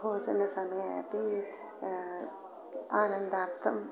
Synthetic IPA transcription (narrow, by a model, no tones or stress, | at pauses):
oːsnəsɐmepi | aːnə̃nd̪aɾt̪ʰəm